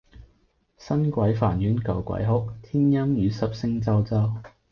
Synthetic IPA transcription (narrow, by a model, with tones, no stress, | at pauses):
sɐ˥nkʷɐ˨˥jfaː˨˩njyː˨˥nkɐ˨˩wkʷɐ̰˨˥jɦʊ˥k̚t̪ʰiː˥njɐ˥mjyː˨˧sɐ˨p̚sɪ˥ŋt͡sɐ˥wt͡sɐ˥w